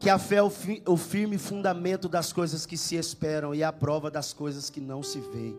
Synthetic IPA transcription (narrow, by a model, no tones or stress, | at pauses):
kɪafɛʊfiʊfiɾmɪfũnd̪amẽnt̪ʊd̪ɐskojzɐskɪsɪespɛɾɐ̃w̃ɪɐpɾɔvɐd̪ɐskojzɐskɪnɐ̃w̃sɪvḛ̃j